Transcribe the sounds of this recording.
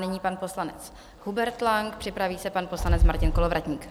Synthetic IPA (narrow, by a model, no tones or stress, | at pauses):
nɪɲiːpanpo̞slanɛt͡s | hubɛɾt̪laŋkpr̝̥ɪpɾaviːsɛpanpo̞slanɛt͡smaɾcɪnko̞lo̞vɾacɲiːk